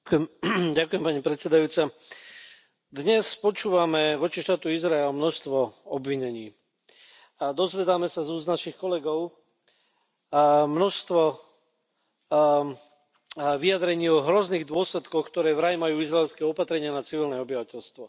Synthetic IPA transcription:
mɟakujɛmpaɲipɾɛt̪sɛd̪ajuːt͡sa | d̪ɲɛspɔt͡ʃuːʋamɛʋɔt͡ʃiʃt̪aːt̪uizɾaɛlmnɔʃst̪ʋɔɔbʋiɲɛɲiː | d̪ɔzʋɛd̪aːmɛsazuːznaʃixkɔlɛɡɔʊ | mnɔʃst̪ʋɔ | ʋiad̪ɾɛɲiːɔɦɾɔzniːɣd̪ʊɔslɛt̪kɔxkt̪ɔɾɛːvɾajmajuːizɾaɛlskɛɔpat̪ɾɛɲɪanat͡siʋilnɛɔbiʋacɛlst̪ʋɔ

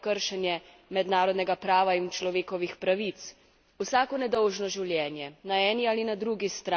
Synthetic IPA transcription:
kəɾʃɛnjɛ | mɛd̪naːɾɔd̪nɛɡapɾaːʋaint͡ʃlɔʋeːkɔʋixpɾaʋit̪s | usaːkɔnɛd̪ɔwʒnɔʒiwljɛːnjɛnaɛːniaːlinad̪ɾuɡist̪ɾa

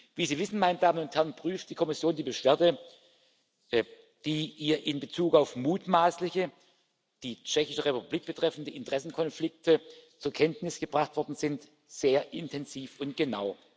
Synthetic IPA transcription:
viːziːvɪsn̩maɪnədaːmənʊnthɛɐn̩pʁ̥yːft̚d̥iːkʰɔmɪsjoːndiːbəʃv̥eːɐdə | d̥iːʔiːɐʔɪnbət͡suːkaʊfmuːtmaːslɪçə | d̥iːt͡ʃɛçɪʃəʁepupubliːk̚b̥ətʁ̥ɛfn̩dəɪntəʁ̥ɛsn̩kʰɔnflɪk̚tʰət͡suːɐkʰɛntnɪsɡ̥əbʁaχtv̥ɔɐdn̩zɪnt | z̥eːɐʔɪntʰɛnziːfʊntɡ̥ənaʊ

